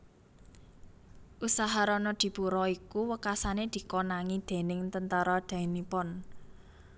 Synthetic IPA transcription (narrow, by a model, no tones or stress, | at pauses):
ʔusaɦaɾɔnɔd̪̥i̤b̥uɾɔikuwəkasaned̪̥i̤konaŋid̪̥e̤nɪŋt̪ənt̪aɾɔd̪̥a̤inipɔn